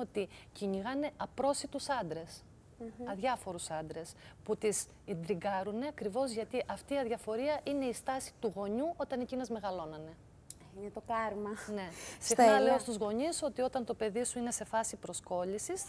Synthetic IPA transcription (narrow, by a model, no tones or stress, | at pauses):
ot̪iciɲiɣɐne̞ʔɐpɾo̞sit̪usɐnd̪ɾe̞s | ɐðʝɐfo̞ɾusɐnd̪ɾe̞sput̪is | ind̪ɾiɡɐɾune̞ɐkɾivo̞zʝɐt̪iʔɐft̪iːɐðʝɐfo̞ɾiɐʔine̞ist̪ɐsi̥t̪uɣo̞ɲuʔo̞t̪ɐnecinɐzme̞ɣɐlo̞nɐne̞ | inet̪okɐɾmɐne̞sexnɐle̞ost̪uzɣo̞ɲiso̞t̪io̞t̪ɐnt̪o̞pe̞ðisuine̞se̞fɐsipɾo̞sko̞ʎisis